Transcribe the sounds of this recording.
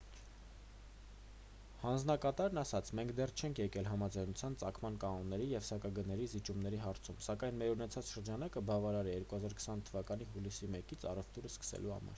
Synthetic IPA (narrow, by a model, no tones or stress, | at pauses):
hɑnd͡znɑkɑt̪ɑɾnɑsɑt͡sʰmɛŋkʰd̪ɛrt͡ʃʰɛŋkʰjɛkɛlɦɑmɑd͡zɑjnut͡sʰjɑnt͡sɑkʰmɑnkɑnɔnːɛɾijɛvsɑkɑɡənɛɾizit͡ʃumnɛɾiɦɑɾt͡sʰumsɑkɑjnmɛɾunɛt͡sʰɑt͡sʃəɾd͡ʒɑnɑkəbɑvɑɾɑɾɛjɛɾkuhɑzɑɾkʰə̥sɑnt̪ʰəvɑkɑn̪iɦulisimɛkit͡sʰɑ̰rɛvt̪uɾəskə̥sɛ̰luhɑ̰mɑ̰ɾ